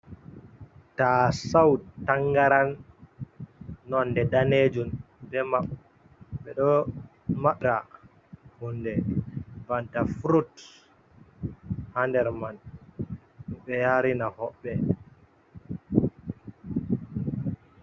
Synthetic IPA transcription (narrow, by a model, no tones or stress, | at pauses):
tasawtaŋɡaɾan | ɔndɛdaned͡ʒun | dɛmaɓ | ɓɛɗɔmaɓɾa | hundɛbantafɾut | handɛɾman | ɓɛjaɾinahɔɓːɛ